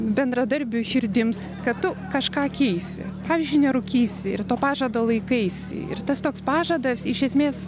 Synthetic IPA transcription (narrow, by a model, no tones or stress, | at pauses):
bʲɛnd̪ɾɐd̪ɐɾʲbʲʊʃʲɪɾʲd̪ʲɪms | kɐt̪t̪ʊkɐʃkɑːkʲɛɪsʲɪ̰pɑːʋʲɪːzʲd͡ʒʲʊɪnʲɛɾʊkʲiːsʲɪɪrt̪oːpɑːʒɐd̪oːlˠɐɪkɐɪsʲɪ̰ɪ̰rt̪ɐst̪oːkspɑːʒɐd̪ɐsɪʃʲɛsʲmʲeːs